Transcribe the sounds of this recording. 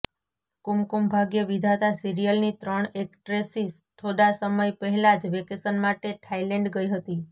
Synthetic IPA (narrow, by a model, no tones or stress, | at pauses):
kumkumbʱaɡjəʋid̪ʱat̪asiɾijəlnit̪ɾəɳek̚ʈɾesis | t̪ʰod̪asəməjpəɦɛlad͡ʒʋekesənmaʈeʈʰaileɳɖɡəiɦət̪i